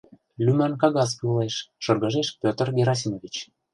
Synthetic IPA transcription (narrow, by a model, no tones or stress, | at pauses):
lʲymɑnkɑɣɑspuleʃːɤ̆rɣə̆ʒeʃpʲøt̪ə̆rɡʲeɾos̬imovʲit͡ɕ